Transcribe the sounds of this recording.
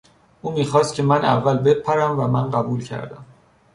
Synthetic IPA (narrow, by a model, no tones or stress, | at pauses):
ʔuːmiːxɒːst̪̚cʰe̞mænæ̰vːælbepʰːæɾæmvæmænɢæbuːlcʰæ̰ɾd̪æ̰m